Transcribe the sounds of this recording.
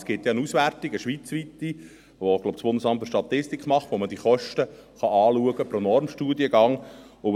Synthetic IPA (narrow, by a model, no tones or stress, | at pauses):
sɡ̥ɪt̪jɑənusʋærtiɡəʃʋit͡sʋit̪i | ʋoɡloʊb̥sb̥ʊnd̪əsɑmt̪fəɾʃtɑt̪ɪstikχmɑχt̪ʋoməd̥iχɔʃtəχɑɑːluəɡəpɾonɔɾmʃtuːdiəɡɑŋ | ʊ